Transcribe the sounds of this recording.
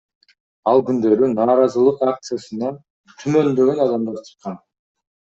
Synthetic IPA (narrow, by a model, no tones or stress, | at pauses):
ɑlˠɡynd̪ø̞ɾynɑːɾɑzɯlˠɯqak̚t̪sɨjasɯnɑ | t̪ʰymø̞nb̪ø̞ɡønɑd̪ɑmd̪ɑɾt͡ʃʰɯ̥qːɑn